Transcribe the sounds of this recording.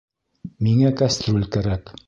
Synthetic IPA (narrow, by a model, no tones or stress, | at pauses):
miŋækast̪rolʲkæɾæk